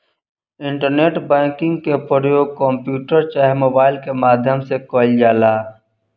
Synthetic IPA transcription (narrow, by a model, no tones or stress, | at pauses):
ɪ̃ɳʈəɾneːʈbɛ̃ːkɪ̃ŋɡkepəɾjoːɡ̚kɔ̃mpjuːʈəɾt͡ʃaɦemoːbaːɪlkemaːd̪ʱjəmsekoːld͡ʒaːlaː